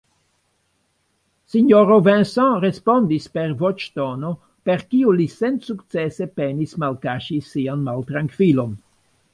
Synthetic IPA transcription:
siɲoɾovẽnsɔ̃ɾespond̪ispeɾvot͡ʃt̪ono | peɾkiulisensukt̪t͡sesepenismalkaʃisianmalt̪ɾaŋkvilon

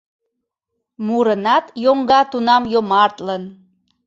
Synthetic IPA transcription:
muɾənɑt̪joŋɡɑt̪unɑmjomɑrt̪lən

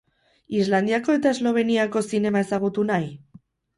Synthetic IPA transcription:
izland̪iako̞e̞t̪ae̞zlo̞β̞e̞niako̞sine̞mae̞saɣ̞ut̪unaj

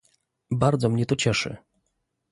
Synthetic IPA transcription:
baɾd̪zɔmɲɛt̪ɔt͡ɕɛʂɘ̰

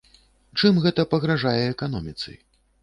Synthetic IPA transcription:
t͡ʂɨmɣɛt̪ɐpɐɣɾaʐajɛːkan̪ɔmʲit̪sɨ̰j

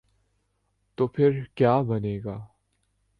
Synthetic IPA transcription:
t̪opʰeɹkaməneːɡa

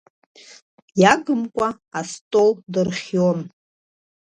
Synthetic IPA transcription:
jaɡɨmkʷʼa | astʼoldɨrχʲjon

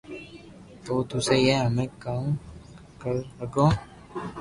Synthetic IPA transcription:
oːt̪usejeɦəmẽːkaːm | kəɾːəɡõː

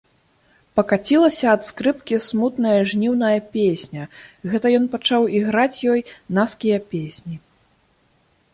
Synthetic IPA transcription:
pɐkat͡sʲilˠɐsʲɐːt̪skɾɨpkʲismut̪nɐjɐʐnʲiwnɐjɐpʲesʲnʲɐɣɛt̪ɐjɔnpat͡ʂawiɣɾat͡sʲjɔjnaskʲijɐpʲesʲnʲi

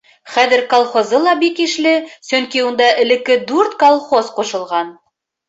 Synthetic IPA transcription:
χæðɘ̆ɾkolˠχozɤlˠɑbikiʃlɘsɵŋkiund̪ɑʔɘ̆lɘ̆kːɘd̪ʉɾt̪kolˠχozquʃɤ̆lˠʁɑn

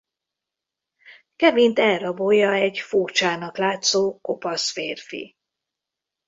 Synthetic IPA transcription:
kɛvint̪ɛlrɒbojɒɛɟfurt͡ʃaːnɒklaːt̪soːkopɒsfeːrfḭ

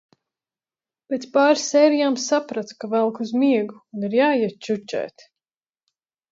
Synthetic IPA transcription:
pet̪spaːɾsɛːɾijaːmsapɾat̪kavɛlˠkuzmiɛɡuːniɾjaːjiɛt̪̚t͡ʃut͡ʃɛ̰ːt̪

